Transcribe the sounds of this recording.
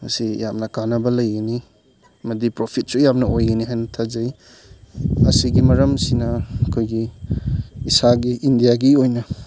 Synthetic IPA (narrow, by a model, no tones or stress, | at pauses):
mɐsijamnɐkanɐbɐlɐjɡɐni | mɐdipɾopʰit̚sujamnɐojɡɐniɦajnɐtʰazɐj | ɐsiɡimɐɾɐmsinɐɐkʰojɡiː | saɡiʔːndijaɡiojnɐ